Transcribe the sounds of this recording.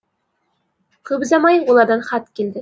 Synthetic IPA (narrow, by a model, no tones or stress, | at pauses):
qʰɵbzɑmɑjwolˠɑɾd̪ɑnχɑt̪kʲeld̪ɪ